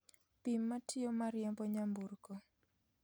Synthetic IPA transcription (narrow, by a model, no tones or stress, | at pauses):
pimːatʰɪɔmaɾjɛmbɔɲamburkɔ